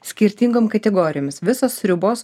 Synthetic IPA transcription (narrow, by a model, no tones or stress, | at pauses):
sʲkʲɪɾʲt̪ʲiːŋɡoːmkɐt̪ʲɛɡoːɾʲɪjoːmʲɪsʋʲɪsoːsɾʲʊboːs